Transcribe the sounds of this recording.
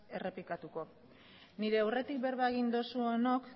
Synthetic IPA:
e̞re̞pikat̪uko̞ | niɾe̞awre̞t̪ik̚be̞ɾβaɣind̪o̞suono̞k

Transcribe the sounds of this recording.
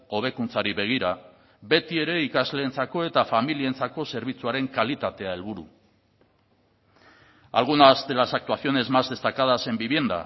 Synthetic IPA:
o̞β̞e̞kunt͡saɾiβe̞ɣ̞iɾa | be̞t̪ie̞ɾe̞ikazle̞ːnt͡sako̞e̞t̪afamilie̞nt͡sako̞se̞ɾβ̞it͡suaɾe̞ŋkalit̪at̪e̞ae̞lβuɾu | a̰lɣ̞unast̪e̞lasak̚t̪uaθio̞ne̞zmazd̪e̞st̪akaðase̞mbiβje̞nd̪a̰

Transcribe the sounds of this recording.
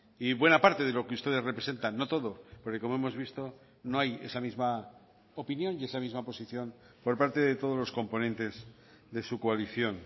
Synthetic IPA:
iβwe̞napaɾt̪e̞ðe̞lo̞keust̪e̞ð̞e̞srepɾese̞nt̪anːo̞t̪o̞ðo̞po̞ɾke̞ko̞moe̞mo̞zβist̪o̞ | no̞aje̞̰samizma | opinjõ̞nje̞samizmapo̞siθjo̞n | po̞ɾpaɾt̪e̞ðe̞t̪o̞ð̞o̞zlo̞sko̞mpo̞nẽnt̪e̞z | ðe̞sukoaliθjo̞n

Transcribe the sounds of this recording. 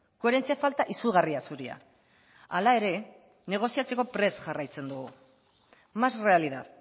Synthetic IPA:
ko̞eɾe̞nt͡siafalt̪aʔisuɣariasuɾia̰ | alae̞ɾe̞ | ne̞ɣ̞o̞siat͡se̞ko̞pɾe̞sʝarajt͡se̞nd̪uɣu | masre̞aliða̰ð

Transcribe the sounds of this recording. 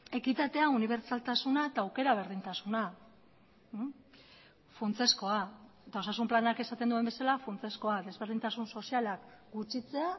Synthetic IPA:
e̞kit̪at̪e̞auniβ̞e̞ɾt͡ʃalt̪asunaet̪aːwke̞ɾaβ̞e̞ɾð̞int̪asuna | funt͡se̞sko̞at̪ao̞sasumplanake̞sat̪end̪ue̞mbe̞salafunt͡se̞sko̞ade̞zβe̞ɾð̞int̪asunso̞sialak | ɡut͡ʃit͡se̞a

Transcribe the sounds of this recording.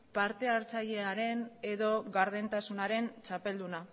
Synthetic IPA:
paɾt̪e̞aɾt͡saʎe̞aɾe̞ne̞ðo̞ɣaɾðent̪asunaɾe̞nt͡ʃape̞ld̪una

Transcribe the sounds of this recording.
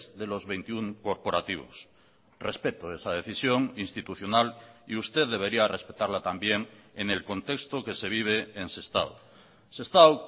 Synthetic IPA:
zðe̞lo̞zβejnt̪iuŋko̞ɾpo̞ɾat̪iβ̞o̰s | re̞spet̪oesað̞e̞θisjo̞ŋinst̪it̪uθjo̞nalḭust̪eððe̞βe̞ɾiarespet̪aɾlat̪ambjeŋene̞lko̞nt̪ekst̪oke̞se̞β̞iβ̞eːnsest̪a̰w | sest̪aw

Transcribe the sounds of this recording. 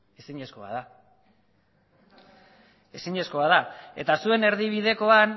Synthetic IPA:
esiɲe̞sko̞a̰ða | e̞siɲe̞sko̞að̞ae̞t̪asue̞ne̞ɾðiβ̞iðe̞ko̞an

